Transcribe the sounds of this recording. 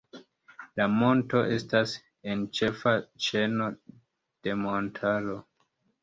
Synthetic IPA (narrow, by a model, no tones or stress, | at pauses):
lamo̞nto̞ʔe̞stas | ent͡ʃe̞fat͡ʃe̞no̞ | d̥e̞montʰalo̞